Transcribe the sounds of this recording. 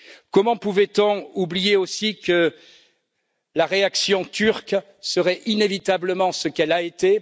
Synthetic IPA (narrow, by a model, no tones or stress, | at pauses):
kɔmɑ̃puvɛt̪ɔ̃ublijeosikə | laʁeaksjɔ̃t̪yʁk | səʁɛʔinevit̪abləmɑ̃səkɛlaet̪e